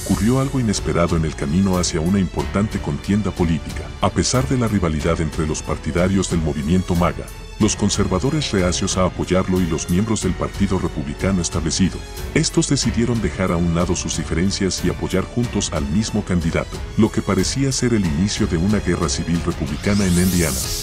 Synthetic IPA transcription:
okurjo̞alɣo̞ine̞spe̞ɾaðo̞ene̞lkamĩno̞asjaunaimpo̞ɾt̪ant̪e̞ko̞nt̪je̞nd̪apo̞lit̪ikḁape̞saɾðe̞lariβaliðaðe̞nt̪ɾe̞lo̞spaɾt̪iðaɾjo̞zðe̞lmo̞βimje̞nt̪o̞maɣa̰ | lo̞sko̞nse̞ɾβaðo̞ɾe̞sre̞asjo̞saːpo̞ʝaɾlo̞ilo̞zmje̞mbɾo̞zðe̞lpaɾt̪iðo̞re̞puβlikano̞e̞st̪aβle̞siðo̞̰ | e̞st̪o̞zðe̞siðje̞ɾo̞nd̪e̞xaɾaunlaðo̞suzðife̞ɾe̞nsjasiapo̞ʝaɾxunt̪o̞salmizmo̞kand̪iða̰t̪o̞̥lo̞ke̞paɾe̞siase̞ɾe̞linisjo̞ðe̞unaɣe̞rasiβilre̞puβlikanaenend̪jana

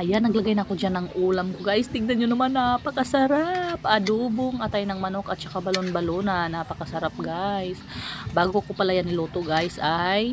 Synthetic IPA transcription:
ʔɐjanːɐɡlɐɡajnɐko̞d͡ʒanɐŋʔuːlɐmkoɡajst̪ɪɡ̚nɐnɲonɐmanːɐpɐkɐsɐɾapʔɐd̪uːboŋʔɐt̪ajnɐŋmɐno̞kɐt̪̚t͡ʃɐkabɐlonbɐlonɐnapɐkɐsɐɾap̚ɡajsbaːɡoɐkopɐlajanɪloːt̪oɡajsʔaj

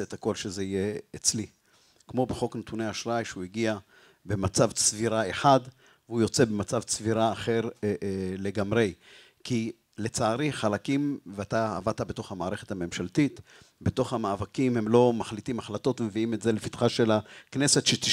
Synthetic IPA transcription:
eet̪hako̞lʃezeijeːt͡sli | kmo̞beχo̞knet̪unejaʃʁajʃeuiɡia | be̞mat͡savsviʁae̞ħad | veujo̞t͡se̞be̞mat͡savsviʁaːχe̞ʁ | le̞ɡamʁe̞j | kʰi | le̞t͡saːʁiχalakimveat̪aa̰vat̪abe̞t̪o̞χhamaːʁe̞χet̪hame̞mʃalt̪it̪ | beto̞χhamaːvakimhe̞mlo̞maχlitimaχlato̞tvemeviime̞tzelefit̪χaʃe̞lakne̞se̞tʃet̪i

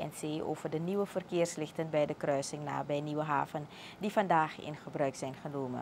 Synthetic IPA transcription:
ɛ̰nseːʔo̰ːvərdəniʋəvərkɪːrslɪxtənbɛjdəkrœɥsɪŋna̰ːbɛjniʋəɦa̰ːvən | difɑndaːχɪ̰nχəbrœɥksɛjnχənoːmə̰n

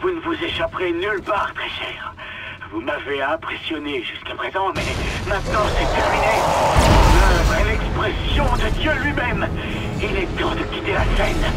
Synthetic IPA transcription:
vunəvuzeʃapʁenylpaːʁt̪χɛʃɛːʁ | vumaveɛ̃pχesjɔneʒyskapχezɑ̃mɛmɛ̃t̪nɑ̃sɛt̪ɛʁmine | labɛlɛkspχɛsjɔ̃d̪əd̪jølɥimɛm | ilɛt̪ɑ̃d̪əɡʲit̪elasɛn

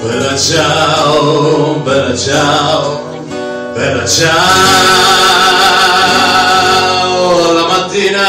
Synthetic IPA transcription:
bɛlot͡ʃaobɛlːot͡ʃao | bɛlːot͡ʃa | olamat̪ːiːna

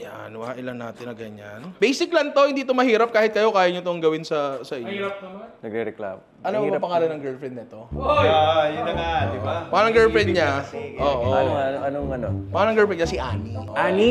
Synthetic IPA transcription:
ja | nwɐhaʔɪlɐnːaːt̪ɪnɐɡɐɲanbejsɪklɐnt̪ohɪnd̪iːt̪omɐhiːɾɐp̚kaːhɪt̪̚kɐjo̞kaːjɐɲot̪oɐŋɡɐwɪnsɐsɐʔɪɲːɾɐp̪̚ɐmnɐɡɾɛɾɛkla̰ːmo | ɐnomɐpɐŋaːlɐnɐŋɡɛlfɾɛnd̪nɐt̪o̞ | jʊɐŋad̪ɪbapaːɐnɐŋɡɛlfɾɛnɲaʔoːʔonʔɐnoŋɐno̰paːɐnɐŋɡɛlfɛɲasɪʔa̰ːniʔaːni

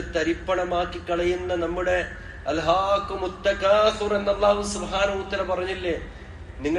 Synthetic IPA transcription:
t̪ɐɾipːɐɳɐmaːkːikːɐɭɐjunːɐnɐmːuɽe̞ | ɐlɦaːkːumut̪ːɐkaːfire̞nːɐlˠˤːaːɦusubɦaːnɐɦut̪ːɐlapɐrɐɲːilːeː | niŋːɐ

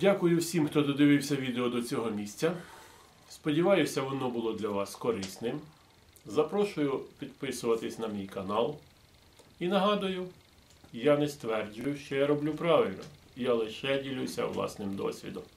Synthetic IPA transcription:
dʲakʊjʊwsʲimxt̪ɔd̪ɔd̪ɪʋɪwsʲɐʋʲid̪eɔd̪ɔt͡sʲɔɦɔmʲisʲt͡sʲɐ | spɔdʲiʋɑjʊsʲɐʋɔnɔbʊlˠɔd̪lʲɐʋɑskɔɾɪsnɪm | zɐpɾɔʃʊjʊpʲid̪pɪsʊʋɐt̪ɪsʲnɐmʲijkɐnɑlˠ | inɐɦɑd̪ʊjʊ | janɛst̪ʋɛrd͡ʒʊjʊʃt͡ʃɔjaɾɔblʲupɾɑʋɪlʲnɐ̰ | jalˠɪʃɛdʲilʲusʲɐ̰ʋlˠɑ̰snɪmd̪ɔ̰sʲʋʲḭd̪ɔm

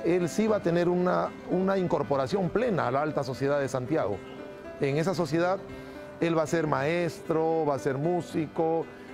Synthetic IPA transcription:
e̞lsiβat̪e̞ne̞ɾuna | unaiŋko̞ɾpo̞ɾasjo̞mple̞na̰ːlaalt̪aso̞sje̞ðaðe̞sant̪jaɣo̞̰ | eŋes̬as̬o̞sje̞ðað | e̞lβase̞ɾmae̞st̪ɾo̞βase̞ɾmusiko

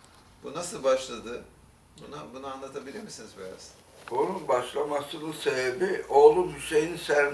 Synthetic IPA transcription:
b̥unasɯlˠbaʃlˠad̪ɯ | bunabunaanlˠat̪ʰabilʲiɾmisinizbija̰z̥ | bonunbaʃlˠamasɯnɯsebebio̞ːlˠubiʃe̞jinsæɾ

